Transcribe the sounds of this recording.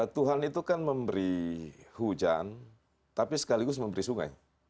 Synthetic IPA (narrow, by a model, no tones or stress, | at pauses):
t̪uɦanit̪ukanməmbəɾihud͡ʒa̰n | t̪apisə̥kaliɡʊsməmbəɾisuŋa̰j